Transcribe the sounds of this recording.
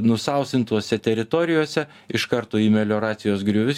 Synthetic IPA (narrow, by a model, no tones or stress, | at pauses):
nʊsɐˑʊsʲt̪ʲɪnt̪uɔsʲɛt̪ʲɛɾʲɪt̪oːɾʲɪjoːsʲɛ | ɪʃkɐɾt̪oːiːmʲɛlʲoːɾɑːt̪sʲɪjoːsɡɾʲʊʋʲɪs